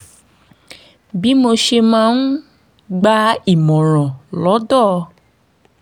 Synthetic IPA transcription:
bi˦mo˧ʃe˧mã˨˦n̩˦ | ɡ͡ba˦i˨mɔ̃˨ɾ̃ɔ̃˨lɔ˨˦dɔ˦˨˧

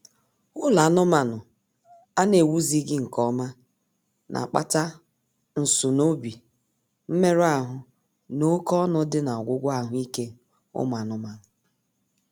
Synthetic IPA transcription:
ʊ˦la˨˦nʊ˦ma˨nʊ˨ | a˦ne˨wu˦zi˦ɡɪ˦ŋ̩˨kɔ˦ma˦ | nʔa̰˨k͡pa̰˦ta˦ | n̩˨sʊ˨no˦bi˨ | m̩˦me˦ɾa˦ɦʊ˨ | no˦kɔ˦nɔ˦dɪ˦na˨ɔ˨ɡʷʊ˦ɡʷa˦˨ɦʊ˦i˦ke˦ | ʊ̰˦m˨a˨nʊ˦ma˨nʊ˨

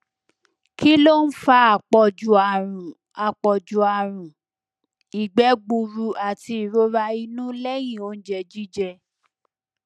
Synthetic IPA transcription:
ki˦lo˦n̩˦fa˧a˨k͡pɔ˨d͡ʒu˨a˨ɾũ˨ | a˨k͡pɔ˨d͡ʒu˨a˨ɾ̃ũ˨ | i˨ɡ͡bɛ˨˦ɡ͡bu˧ɾu˧a˨ti˧i˨ɾo˦ɾa˧i˧nũ˦lɛ˦jĩ˦˨o˧˦n̩˦d͡ʒɛ˧d͡ʒi˦d͡ʒɛ˧

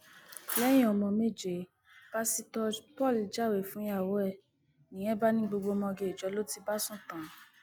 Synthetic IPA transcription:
lɛ˦j̃ĩ˦˨ɔ˧˨mɔ̃˧me˦˨d͡ʒe˨ | b̥a˦si˦tɔ˧pɔ˦˨li˨d͡ʒa˦˨we˨fũ˦ja˦˨wɔ˦ɛ˦˨ | nĩ˨˦ɛ̃˦ba˦nĩ˦ɡ͡bo˧ɡ͡bo˧mɔ̃˧ɡe˨d͡ʒɔ˨˧˦lo˦ti˧ba˦sũ˦˨tã˨

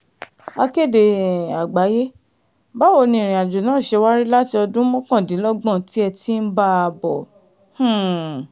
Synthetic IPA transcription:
a˧ke˦˨de˨a˨ɡ͡ba˨˦je˦ | ba˦wo˧˨nĩ˧˨ɾ̃ĩ˨a˨d͡ʒu˨nãː˨˦˨ʃe˧wa˦ɾi˦la˦ti˧ɔ˧dũ˦mɔ̃˦kã˦˨dĩ˨˦lɔ˦ɡ͡bɔ̃˦˨ti˦ɛ˧ti˦n̩˦ba˦a˧bɔ˨ | h̩˦˨

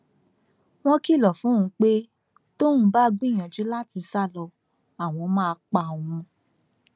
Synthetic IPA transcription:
w̃ɔ̃˦ki˦˨lɔ˨fũ˨˦ũ˨˧˦k͡pe˦ | to˦wũ˧˦ba˦˧ɡ͡bĩ˦˨j̃ã˨d͡ʒu˨˦la˦ti˧sa˦˨lɔ˧ | a˨w̃ɔ̃˧mã˦˧k͡pa˧˨w̃ũ˧

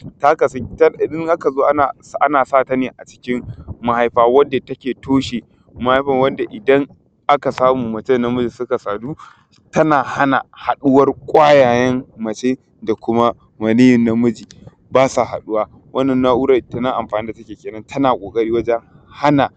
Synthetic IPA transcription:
ta˦ka˨sɐ˦tdɪ˦ŋʔa˦ka˨zoː˦ʔa˦a˨˦ʔa˦naː˨saː˦˨ta˦neː˨ʔa˨t͡ʃɪ̥˦kʲɪ˦mma˨ha˦jɸaː˨wɐ˦nda˨tɐ˦kʲeː˨tʰoː˦ʃeː˨ | mɐ˨ha˦jɸɐ˨ŋwɐ˦nda˨ʔɪ˨dɐ˦ŋ | ʔa˦ka˨saː˦muː˨mɐ˨t͡ʃɛ˦nːɐ˦mʊ˦d͡ʒiː˨sʊ˦ka˨saː˨duː˦ | tɐ˦naː˨ha˦na˨ha˨ɗʊ˦wɐ˦rkʷʼaː˦jaː˨jɛ˦mmɐ˨t͡ʃeː˦ | da˨kʷʊ˦ma˦ | mɐ˨niː˦jɪ˨nːa˦mʊ˦d͡ʒiː˨ | baː˦sa˨ɦa̰˨ɗu˦waː˦ | wʔɐ˦nːɐ˨nːa˦ʔu˦ɾa˦˨tɐ˨nɐ˦ŋʔa˨mɸaː˨ni˦da˨tɐ˦kʲeː˨kʲeː˨nɐ˦ntʰɐ˦naː˨kʷʼoː˨kʼɐ˦ɽiː˦wɐ˦d͡ʒɛ˦ŋ | ha˦na˨

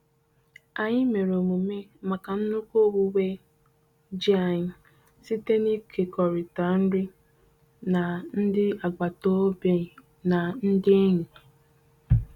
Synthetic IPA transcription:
a˨ɲɪ˦me˨ɾo˨mu˨me˦ma˨ka˨n̩˦nu˦ko˦wu˦we˦ | d͡ʒi˦a˨ɲɪ˦˨ | si˦te˦ni˦kʰe˨kɔ˨ɾɪ˨ta˨n̩˦ɾɪ˦ | na˨n̩˦dɪ˦a˨ɡ͡ba˨to˦be˨ | na˨n̩˦dɪ˦e˦ɲi˨

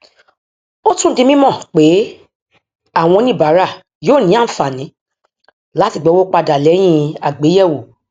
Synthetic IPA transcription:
o˦tũ˦dĩ˧mĩ˦mɔ̃˦˨k͡pe˨˦ | a˦˨w̃ɔ̃˧nĩ˦˨ba˨˦ɾa˦˨ | joː˦˨nĩ˨˦a˦˨n̩˨fa˨nĩ˨˦ | la˨˦ti˦˨ɡ͡bɛ˨˦wo˦k͡pa˧da˨lɛ˨˦j̃ĩ˧a˨ɡ͡be˨˦jɛ˦˨wo˨

